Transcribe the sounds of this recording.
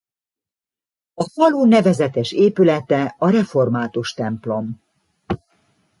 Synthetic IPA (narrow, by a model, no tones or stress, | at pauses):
ɒfɒluːnɛvɛzɛt̪ɛʃeːpylɛt̪ɛɒɾɛfo̞rmaːt̪uʃt̪ɛmplo̞m